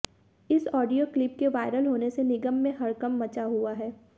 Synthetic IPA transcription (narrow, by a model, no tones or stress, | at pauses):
ɪsɔːɖijoklɪp̚keʋaːɪɾəlɦoːnesenɪɡəmːẽɦɐɾkɐmːɐt͡ʃaɦuaɦɛː